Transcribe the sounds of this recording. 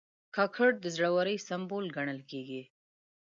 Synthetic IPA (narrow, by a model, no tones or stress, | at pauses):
kɑkʰaɽd̪əzɽawaɾəjsambolɡaɳəlkeɡi